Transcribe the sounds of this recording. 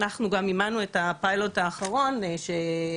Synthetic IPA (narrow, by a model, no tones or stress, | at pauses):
naχnuɡamimanuetapajlo̞taːχaʁo̞nʃe